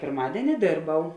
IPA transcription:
pʲɪrˈmɑːdʲiɛnʲɪ ˈdʲeːrˌbɐʊ

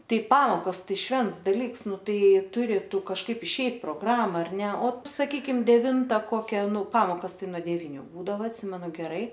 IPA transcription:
ˈtɐɪ ˈpɑːmoːkoːs ˈtɐɪ ˈʃʲʋʲɛnts dɐˈlʲiːks ˈnʊ ˈtɐɪ ˈjɛɪ ˈtʊrʲɪ ˈtʊ kɐʃˈkɐɪp ɪʃʲˈɛɪt proːɡˈrɑːmɐ ɐr ˈnʲɛ oː sɐˈkʲiːkʲɪm dʲɛˈʋʲɪntɐ ˈkoːkʲɛ ˈnʊ ˈpɑːmoːkɐs ˈtɐɪ nuɔ dʲɛˈʋʲiːnʲʊ ˈbuːdɐʋɐ ɐtʲˈsʲɪmʲɛnʊ ɡʲɛˈrɐɪ

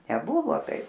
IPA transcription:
nʲɛˈbʊʋoː ˈtɐɪp

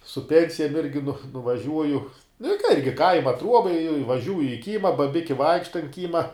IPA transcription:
sʊ ˈpʲɛnʲsʲɪjɛm ɪrʲɡʲɪ nʊ nʊʋɐˈʒʲuɔjʊ nʊ ɪ kɐ ˈɪrʲɡʲɪ ˈkɐɪmɐ ˈtruɔbɐ ɪ ɪʋɐˈʒʲuːjɪ ɪ ˈkʲiːmɐ bɐˈbʲɪkʲɪ ˈʋɐɪkʃtɐ ɐnt ˈkʲiːmɐ

